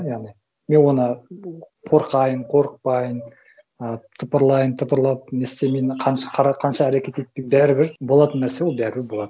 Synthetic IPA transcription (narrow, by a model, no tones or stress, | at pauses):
jɑʁnij | me̞nwo̞nə | qʰo̞ɾqɑjəɴqʰo̞ɾəq̚pɑjən | ət̪ʰʊpəɾlˠɑjənt̪ʰʊpəɾlˠɑp̚nest̪emenɪqʰɑnʃqʰɑɾɑqʰɑnʃɑːɾekʲe̞t̪ejt̪̚pʲebæɾɪbɪɾbo̞lˠɑt̪ənːæɾsewo̞lˠbæɾɪbɪɾbo̞lˠɑd̪ə